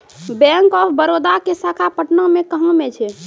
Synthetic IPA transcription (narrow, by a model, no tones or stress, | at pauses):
bɛ̃ŋkɔbəɾod̪akesakʰapəʈnəmekəɦə̃met͡ʃʰɛ